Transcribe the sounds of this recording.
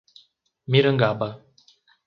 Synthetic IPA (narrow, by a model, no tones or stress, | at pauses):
miɾəŋɡaba